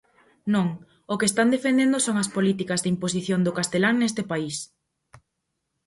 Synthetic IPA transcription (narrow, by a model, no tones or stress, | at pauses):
nõŋ | okest̪and̪efend̪end̪ʊsoŋɐspolit̪ikɐzðɪimposiθjond̪ʊkast̪elaŋnest̪ɪpais